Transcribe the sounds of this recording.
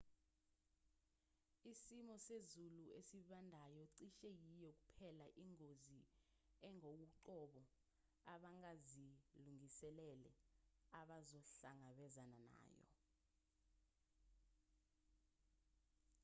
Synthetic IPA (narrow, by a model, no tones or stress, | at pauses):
isimɔsezuluesiɓandʱajɔǀiʃɛjijɔk̬u̥pʰɛlaʔiŋozi | ɛŋokuǃɔɓɔ | aɓaŋaziluŋisɛlɛlɛaɓazɔɬaŋaɓɛzanana̰ːjɔ̰